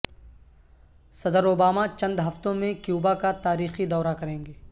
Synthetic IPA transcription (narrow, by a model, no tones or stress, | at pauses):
sɐd̪əɾoːbaːmat͡ʃɐ̃nd̪ɦɐft̪õmẽkjuːbakat̪aːɾiːxid̪ɔːɾakɐɾẽːŋɡeː